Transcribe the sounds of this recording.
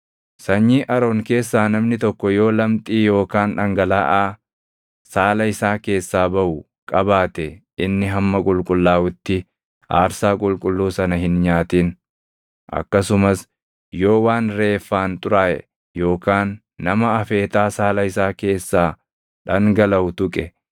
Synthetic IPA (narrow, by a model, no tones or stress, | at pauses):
sɐɲːiːʔɐɾo̞ːŋke̞ːsːaːnɐmnɪt̪ɔkːɔjo̞ːlɐmt̪ʼiːjo̞ːkaːnᶑɐŋɡɐlaːʔaː | saːlɐɪsaːke̞ːsːaːbɐʔʊ | kʼɐbaːt̪ɛ | ɪnːɪɦɐmːɐkʼʊlkʼʊlːaːwʊt̪ːɪ | a̰ːɾsaːkʼʊlkʼʊlːuːsɐnɐhɪnɲaːt̪iːn | ʔɐ̰kːɐsʊmɐs | jo̞ːwaːnɾe̞ːfːaːnt̪ʼʊɾaːʔɛ̰ | jo̞ːkaːnː | ɐmɐɐfe̞ːt̪aːsaːlɐɪsaːke̞ːsːaː | ᶑɐŋɡɐlɐʊt̪ʊkʼɛ